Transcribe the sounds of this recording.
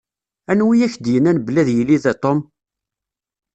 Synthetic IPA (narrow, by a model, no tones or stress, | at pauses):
ænwijæçd̪jənænblæðjəlːiðæt̪ˤom